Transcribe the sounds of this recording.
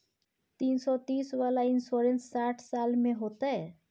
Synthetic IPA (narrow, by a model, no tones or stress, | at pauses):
t̪iːnsɔt̪iːsʋaːlaɪnsoɾẽnsːaːʈʰsaːlmẽɦoːt̪aɦɛː